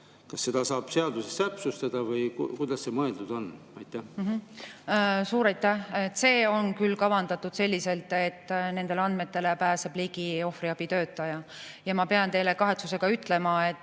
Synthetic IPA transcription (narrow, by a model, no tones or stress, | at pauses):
kɑsːe̞d̪̥ɑsɑːb̥se̞ɑd̪̥usest̪æpsust̪ɑd̪̥ɑvɤjkujd̪̥ɑsːemɤeld̪ud̪̥o̞n | ɑjt̪ːˑæɦ | suːɾɑjt̪ːˑæhet̪ːse̞ːo̞nkylːkɑvɑnd̪ɑt̪ːˑud̪̥se̞lʲːise̞lt̪ˑe̞t̪ːne̞nd̪̥e̞leɑnd̪̚me̞t̪ːe̞lepæːseb̥liːɡ̥io̞friɑb̥it̪ø̞ːt̪ːˑɑjɑjɑmɑpe̞ɑnt̪e̞jlekɑɦe̞t̪suse̞ɡ̥ɑyt̪ˑle̞mɑe̞t̪ː